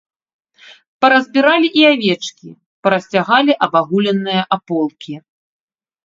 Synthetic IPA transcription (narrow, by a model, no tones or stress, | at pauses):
pɐɾɐzʲbʲiɾalʲiʔiavʲɛt͡ʂkʲḭ | pɐɾɐsʲt͡sʲaɣalʲiʔɐbaɣulʲɛnːɨjɐʔapɔlˠkʲi